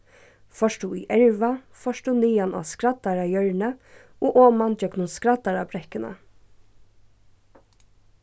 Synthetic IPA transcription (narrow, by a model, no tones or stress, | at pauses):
fɔʃt̪uḭːʔɛɹʋafɔʃʈ̪uniːana̰ːskɾad̪aɾajœɹnə | oːʔɔːmand͡ʒœknʊnskɾat̪aɾabɾɛhkənə̰